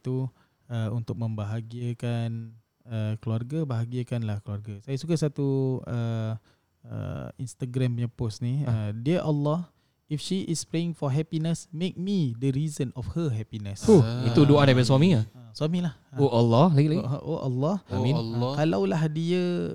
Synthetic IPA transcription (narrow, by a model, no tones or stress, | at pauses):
it̪u | əunt̪ʊk̚mə̃mbaɦaɡiəkan | əkluarɡabaɦaɡiəkanlahkəluarɡasajasukasat̪uə | ə̰ḭnst̪aɡɾampəɲəpʊsniədiəʔalːɔh | ifʃiʔispɾeɪŋfɔɦɛpinəsmek̚midəɾizənɔfhəɦɛpinəsoit̪udoʔadajpadaswamiɲaəswamilahoalːɔlaɡilaɡʔoʔa̰lːɔhamĩnkalawlahdiə